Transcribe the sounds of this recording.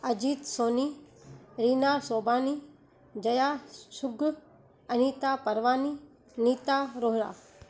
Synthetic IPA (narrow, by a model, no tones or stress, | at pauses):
ɐd͡ʒiːt̪soːniːɾiːnaːsoːbaːniː | d͡ʒɐjaːsʊɡ | ɐniːt̪aːpɐɾʋaːniː | niːt̪aːɾoːɦɾa̰ː